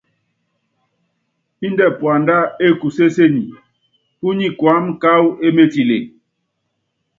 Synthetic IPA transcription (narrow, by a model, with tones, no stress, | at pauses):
i˦ndɛ˦˨pwa˨nda˦e˦˨ku˨se˦se˦ɲi˨ | u˦ɲi˦kwa˨˦mka˦we˦me˦ti˨lḛ˨